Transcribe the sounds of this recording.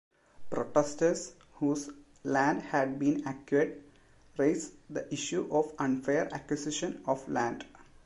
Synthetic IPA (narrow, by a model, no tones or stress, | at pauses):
pɾoʈesʈəɾs | huːs | læ̃ːɳɖhæɖ̚bĩːnækjueʈ̚ | ɾeːsd̪əʔɪʃjuʔɔʋʌ̃nfeːɾæ̰kwɪsɪʃə̃nɔʋlæ̃ɳɖ